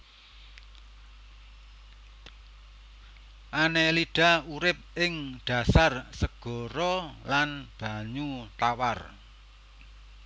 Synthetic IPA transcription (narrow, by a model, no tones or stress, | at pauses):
ʔaneliɖ̥a̤uɾɪp̚ɪŋɖ̥a̤sarsəɡ̥ɔ̤ɾɔlanb̥a̤ɲut̪awar